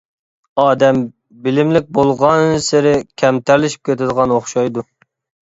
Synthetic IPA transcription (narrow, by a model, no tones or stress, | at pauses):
ɑːd̪ɛm | bɪlɪmlɪk̚ʲbolˠʁɑnsɪɾɪkʲʰɛmt̪ʰæɾlɪʃi̥p̚kʲʰet̪ɪd̪əʁɑnoχʃɑjd̪u